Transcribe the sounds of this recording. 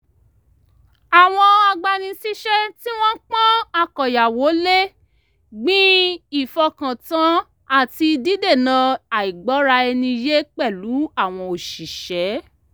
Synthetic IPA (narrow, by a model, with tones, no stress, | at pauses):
a˨w̃ɔ̃˧a˧ɡ͡ba˧nĩ˧si˦ʃɛ˦ti˦w̃ɔ̃˦k͡pã˦a˧kɔ˨ja˨wo˨˦le˦ | ɡ͡bĩ˦i˦˨fɔ˧kã˨tã˨˦ | a˦˨ti˧di˦de˦˨nã˧a˨i˨ɡ͡bɔ˨˦ɾa˧ɛ˧nĩ˧je˦k͡pɛ˦˨lu˨˦a˦˨w̃ɔ̃˧o˨ʃi˨ʃɛ˨˦